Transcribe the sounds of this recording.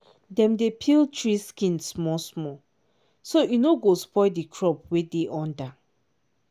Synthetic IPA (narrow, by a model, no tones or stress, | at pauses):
dɛ̃mdepʰiltʰɹiskĩnsmɔsmɔ | sojunoɡospɔɪdikʰɹɔp̚wedeʔɔ̃nda